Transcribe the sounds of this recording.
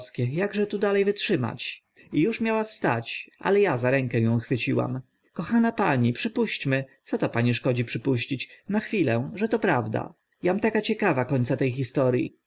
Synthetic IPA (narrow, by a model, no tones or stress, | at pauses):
skʲɛjaɡʐɛt̪ud̪alɛjvɘtʂɘma̰t͡ɕ | ijuʂmʲjawafst̪a̰t͡ɕʔa̰lɛjazaɾɛŋkɛjɔ̃w̃xfɘt͡ɕiwa̰m | kɔxanapaɲipʂɘpuɕt͡ɕmɘt̪sɔt̪ɔpaɲiʂkɔd͡ʑipʂɘpuɕt͡ɕit͡ɕnaxfʲilɛʐɛt̪ɔpɾavd̪a̰ | jamt̪akat͡ɕɛkavakɔɲt̪sat̪ɛjxist̪ɔɾʲjḭ